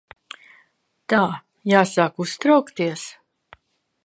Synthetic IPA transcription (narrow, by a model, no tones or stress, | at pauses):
t̪aː | jaːsaːkust̪ɾawkt̪iɛs